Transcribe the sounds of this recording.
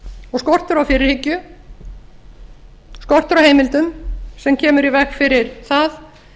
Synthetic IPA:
ɔɣskɔr̥t̪ʏɾawfɪːɾɪɾ̥hɪcːʏ | skɔr̥t̪ʏɾawheːjmɪlt̪ʏmsɛmcʰɛːmʏɾivɛxfɪɾɪɾθaθ

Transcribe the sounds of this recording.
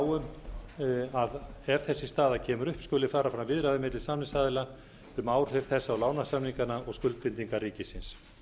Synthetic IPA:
wʏm | aðɛɾ̥θɛsːɪ̥st̪aːðacʰɛːmʏɾʏhpskʏːlːɪfaːɾafɾamvɪðɾaðɪmɪt̪lɪsaːmnɪsaːðɪla | ʏmaːwɾ̥θɛɾ̥θɛsːaawlaːwnasamniŋkanaɔɣskʏlt̪̚pɪnt̪iŋkaɾiːcɪsɪns

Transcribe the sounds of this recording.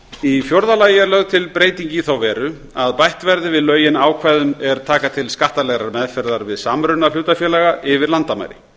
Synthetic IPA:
ifjowɾðalaːjɪɛɾlœɣt̪ʰɪlpɾeːjt̪iɲcɪθawvɛːɾʏ | aðpajht̪vɛɾðɪvɪðlœːɥjɪnaːwkʰvajðʏmɛɾt̪ʰaːkat̪ʰɪlskaht̪alɛɣɾaɾmɛðfɛɾðaɾvɪðsaːmɾʏnːal̥uːt̪afjɛːlaɣaʔɪvɪɾlant̪ama̰jɾɪ̰

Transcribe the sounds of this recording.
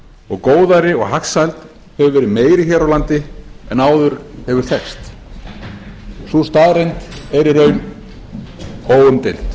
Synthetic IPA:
ɔɣkoːwðaɾɪɔɣɦaksajlt̪ | hɛvʏvɛːɾɪðmeːjɾɪçɛːɾawlant̪ɪɛnaːwðʏɾ̥hɛvʏɾ̥θɛkst̪ | sust̪aːðɾejnt̪ɛɾɪɾœɥn | oːwʏmt̪ɪlt̪

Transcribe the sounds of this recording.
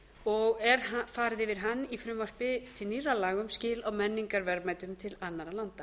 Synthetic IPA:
ɔɣɛɾfaːɾðɪvɪðɦanːifɾʏmvœr̥pɪt̪ʰɪlniralaːɣʏmscɪːlawmɛnːiŋkaɾvɛɾmaːjt̪ʏmt̪ʰɪlanːaɾalant̪ḁ

